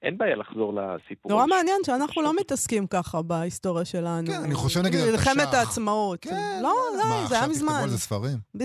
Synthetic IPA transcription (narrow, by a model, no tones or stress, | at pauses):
ʔenbaːjalaχzo̞ʁla̰sipnoʁameanje̞nʃeanaχnulo̞mit̪askimkaχabaisto̞ʁjaʃe̞lanunaniχoʃevɡiilχemet̪aːt͡smaot̪lo̞zazajamizmanlzesfaʁimb